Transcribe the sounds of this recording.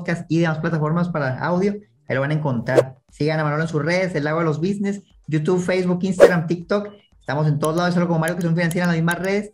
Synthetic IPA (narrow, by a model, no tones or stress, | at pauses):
kast̪iðemasplat̪afo̞ɾmaspaɾaa̰wðjo̞ | ajlo̞βanaeŋko̞nt̪ɾaɾ | siɣanamanoloensusreðeselːaɣoelo̞zβizne̞s | jut̪uβfejzβukinst̪aɣɾamt̪ikt̪ok | est̪amos̬e̞nt̪o̞ð̞olaðs̬alɣkoomaɾjo̞kes̬onfinans̬jeɾalazmizmasre̞ðes